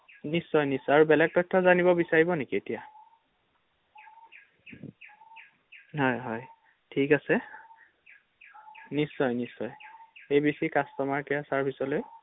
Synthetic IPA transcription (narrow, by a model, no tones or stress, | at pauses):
nisːɔjnisɔaɹubɛlɛɡ̚tɔjtʰːɔzanibɔbisaɹibɔnekietija | ɦɔjɦɔj | tʰikasɛ | nisːɔjnisːɔjejbesikastɔmaɹkɛjasaɹpʰisɔloj